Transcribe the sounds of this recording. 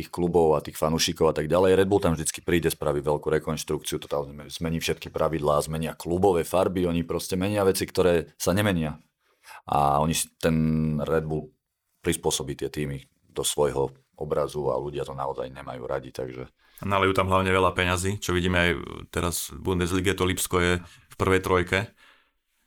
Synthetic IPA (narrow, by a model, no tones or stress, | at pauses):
t̪ixklubɔʊat̪iːxfanuʃikɔʊat̪aɡɟalɛjɾɛd̪buːlˠt̪amʒd̪it͡ski̥pɾiːɟɛspɾaːʋiʋɛʎkuːɾɛkɔnʃt̪ɾukt͡siut̪ɔ̥t̪aɛzmɛɲiːfʃɛt̪kipɾʔaʋid̪laːzmɛɲɪaklubɔʋɛfaɾbiɔɲipɾɔscɛmɛɲɪaʋɛt͡sikt̪ɔɾɛːsaɲɛmɛɲɪa | ʔa̰ɔɲist̪ɛnɾɛd̪̚buːl | pɾispʊɔsɔbiːt̪ɪɛt̪iːmi | d̪ɔsʋɔjɦɔ | ɔbɾazua̰luɟɪat̪ɔnaɔza̰jɲɛma̰jṵːɾa̰ɟit̪a̰ɡʒɛ̰ | nalɛjuːt̪amɦlaʊɲɛʋɛlapɛɲaziːt͡ʃɔʋiɟiːmɛajt̪ɛɾazbund̪ɛzliːɡɛt̪ɔlipskɔjɛ | fpr̩ʋɛjt̪ɾɔjkɛ